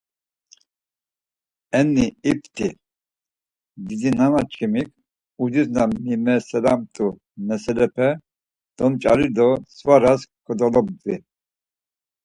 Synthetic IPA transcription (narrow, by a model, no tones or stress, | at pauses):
ɛnːiip̚ʰt̪ʰʼi | d̪id̪inanat͡ʃʼkʰimikʰʼ | ud͡ʒiznaimɛsɛlamt̪ʼu | nɛsɛlɛpʰɛ | d̪̥ɔmt͡ʃʼaɾiɾd̪ɔsvaɾaskʰɔd̪ɔlɔb̚d̪vi